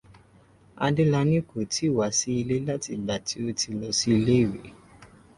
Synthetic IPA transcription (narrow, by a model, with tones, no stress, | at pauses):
a̰˧de˦la˧nĩ˦ko˨ti˨˦˨wa˨˦si˦i˧le˦la˦ti˧ɡ͡ba˨ti˨˦o˧ti˧lɔ˧si˦i˧le˦i˦˨wḛ˨˦